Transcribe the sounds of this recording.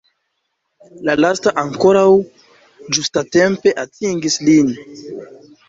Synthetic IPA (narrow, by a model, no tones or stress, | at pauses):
lalastaʔaŋko̞ɾaw | d͡ʒustate̞mpe̞ʔatʰiŋɡislin